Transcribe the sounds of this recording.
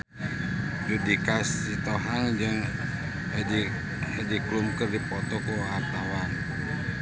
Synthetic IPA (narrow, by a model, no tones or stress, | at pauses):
d͡ʒudikasit̪ɔɦaŋd͡ʒɨŋ | hɛdiklumkərdipɔt̪ɔkuart̪awan